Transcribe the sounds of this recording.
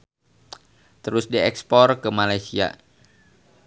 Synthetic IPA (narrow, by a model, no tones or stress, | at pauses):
t̪əɾʊsdiɛkspɔrkəmalajsia̰